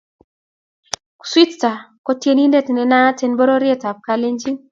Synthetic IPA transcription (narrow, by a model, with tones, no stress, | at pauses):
ku̥˨swi˦tta˨kɔ˦tje˦ni˦nde˦tnɛ˨na˦te˦nbɔ˦ɾɔ˦ɾje˦˨ta˨p̚ka˦le˦ɲd͡ʒi˦